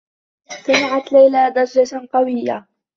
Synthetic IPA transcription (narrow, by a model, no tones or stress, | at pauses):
samɪʕat̪lajlaːd̪aɾˤd͡ʒat̪qɑwɪjːa̰